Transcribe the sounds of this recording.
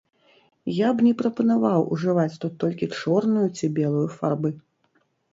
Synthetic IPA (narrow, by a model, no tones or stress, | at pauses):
jabnʲɛpɾɐpɐnavawʔṵʐɨvat͡sʲt̪ut̪ːɔlʲkʲit͡ʂɔrnujut͡sʲibʲɛlˠujufarbɨ